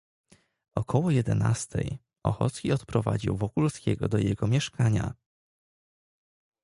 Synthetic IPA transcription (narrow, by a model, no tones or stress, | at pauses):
ʔɔkʰɔwɔjɛd̪ɛnast̪ʰɛ̰j | ʔɔxɔ̰t̪skʲiɔt̪pɾɔva̰d͡ʑḭwvɔkulskʲɛɡɔd̪ɔjɛɡɔmʲjɛʂkaɲa